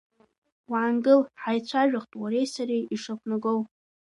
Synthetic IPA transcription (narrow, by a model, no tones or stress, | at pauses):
waːnɡɨlħajt͡ɕʷʰaʒᶣaχtʼwaɾejsaɾijiʂakʷʰnaɡow